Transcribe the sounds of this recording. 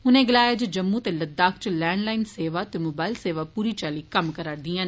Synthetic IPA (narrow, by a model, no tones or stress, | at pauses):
ɦʊnẽːɡɪlaːjad͡ʒd͡ʒəmːũːt̪eːləd̪aːkʰt͡ʃlɛːɳɖlaːɪnseːʋaːt̪eːmoːbaːɪlseːʋaːpuːɾiːt͡ʃaːliːkəmkəɾaɽd̪iːãːn